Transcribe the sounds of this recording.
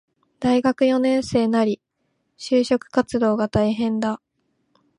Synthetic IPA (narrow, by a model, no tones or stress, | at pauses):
d̪̥aiɡakɯ̟jo̞nẽ̞ɰ̃se̞ːnaɾʲi | ɕɨːɕo̞kɯ̟̥kat͡sɨd̪o̞ːɡat̪aiɦẽ̞nd̪a